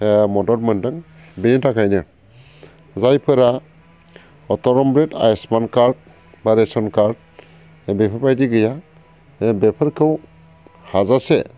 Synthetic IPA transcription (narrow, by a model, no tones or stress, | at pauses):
mɔdɔɾmɯndɯŋ | binitʰakʰajnɯ | zajpʰɯɾa | ɔtɔɾɔmbɾeta̰jesmankaɾd̚ | baɾesɔnkaɾd̚ | bepʰaɾpajdiɡɯja | bepʰɯɾkʰɯw | hazase